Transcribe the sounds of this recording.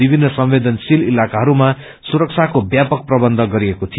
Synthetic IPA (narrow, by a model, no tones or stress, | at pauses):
ibʱinːʌsʌmwed̪ʌnsililakaɦʌɾuma | suɾʌk̚t͡sʰakobjapʌk̚prʌbʌnd̪ʱʌɡʌɾiekot̪ʰi